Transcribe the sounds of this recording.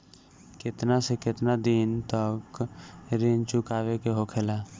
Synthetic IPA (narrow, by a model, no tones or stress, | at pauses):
kɪt̪nasekɪt̪nad̪iːnt̪əkɾɪnt͡ʃʊkaːʋekeɦokʰelaː